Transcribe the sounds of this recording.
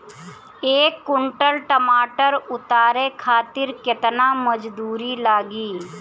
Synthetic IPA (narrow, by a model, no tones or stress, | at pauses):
eːkːʊɳʈəlʈəmaːʈəɾʊt̪aːɾekʰaːt̪ɪɾket̪naməd͡ʒd̪uːɾilaːɡiː